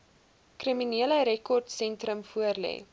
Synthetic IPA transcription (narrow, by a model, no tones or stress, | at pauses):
kriminiələɾɛkɔrtsɛntrəmfuərlɛ̰ː